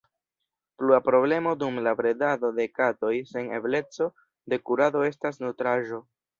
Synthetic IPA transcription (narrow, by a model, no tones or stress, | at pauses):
pluapɾo̞ble̞mo̞dumlabɾe̞dado̞de̞kato̞jse̞ne̞̰ble̞t͡so̞ | de̞kuɾado̞e̞s̬tas̬nutɾaʒo̞